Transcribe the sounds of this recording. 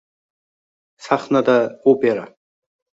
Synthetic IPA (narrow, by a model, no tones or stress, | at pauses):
saχnad̪aopeɾa